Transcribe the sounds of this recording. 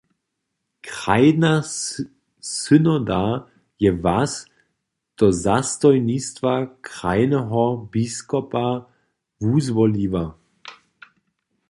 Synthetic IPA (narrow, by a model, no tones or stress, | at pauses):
kʁajna | sʏnɔd̪a | jɛvas | d̪̥ɔzast̪ɔjnist̪vakʁajnɛɦɔbiskɔpa | vuzvɔliva